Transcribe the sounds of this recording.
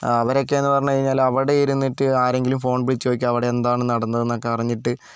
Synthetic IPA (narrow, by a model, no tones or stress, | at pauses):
ɐʋɐɾo̞kːe̞enːɨpɐrɐɲːukɐɻiɲːaːlɐʋiɽe̞iɾunːiʈːɨaːɾe̞ŋɡilumfo̞ːɳbiɽit͡ɕːuokʲːuɐʋiɽeend̪aːɳɨnɐɽɐnːɐðenːokːepɐrɐɲːiʈːɨ